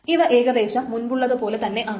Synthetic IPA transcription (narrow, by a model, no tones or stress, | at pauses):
iʋɐʔeːɡɐd̪e̞ːɕɐmmunbuɭːɐðɨpo̞ːle̞t̪ɐnːe̞ʔɐː